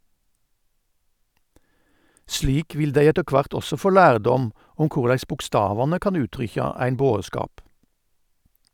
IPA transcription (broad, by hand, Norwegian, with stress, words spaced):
ˈʃɭiːk ˈʋɪl ˈdæɪ ˈɛtə ˈkʋɑʁt ˈɔsɔ ˈfoː ˈlæːʁˌdɔm ˈʊm ˈkʊʁlæɪs bʊkˈstɑːʋɑnə ˈkɑn ˈʉːtʁʏçɑ ˈæɪn ˈboːˌskɑːp